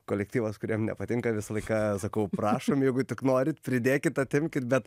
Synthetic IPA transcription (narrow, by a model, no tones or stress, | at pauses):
koːlʲɛkt̪ʲiːʋɐskʊɾʲiɛmnʲɛ̰pɐt̪ʲɪŋkɐʋʲɪsɐlˠɐɪkɑsɐkɐʊprɑːʃomjɛɪɡʊt̪ʲɪknoːɾʲɪt̪pʲɾʲɪd̪ʲeːkʲɪt̪ɐt̪ʲɪmʲkʲɪt̪bʲɛt̪